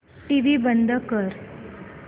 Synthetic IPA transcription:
ʈiʋibənd̪ʱəkəɾ

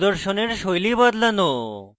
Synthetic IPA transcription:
d̪oɾʃoneɾʃojlibad̪lano

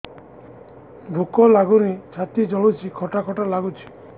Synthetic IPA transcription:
bʱukɔlaɡuɾit͡ʃʰat̪id͡ʒɔɭut͡ʃʰikʰɔʈakʰɔʈalaɡut͡ʃʰi̥

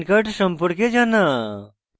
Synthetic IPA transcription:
kəʈsəmpuɽked͡ʒana

